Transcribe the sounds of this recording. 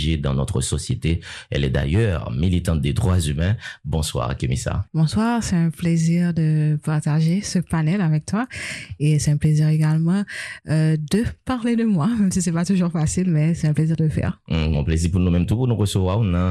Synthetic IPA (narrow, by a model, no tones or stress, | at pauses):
ʒed̪ɑ̰̃nɔt̪χəsɔsjet̪eɛ̰lɛ̰d̪a̰jœʁmilit̪ɑ̃t̪̚d̪ed̪ʁwazymɛ̃bɔ̃swa̰ʁkemḭsa̰bɔ̃swaʁsɛt̪ɛ̃pleziʁd̪əpaʁt̪aʒesəpanɛlavɛk̚t̪waesɛt̪ɛ̃pleziʁeɡalmɑ̃ød̪əpaʁled̪əmwamɛmsisɛpat̪uʒuʁfasilmɛsɛɛ̃pleziʁd̪ələfɛ̰ʁ̩ɔ̰̃pleziʁpuʁnumɛmt̪upuʁnuʁəsəvwaʁunã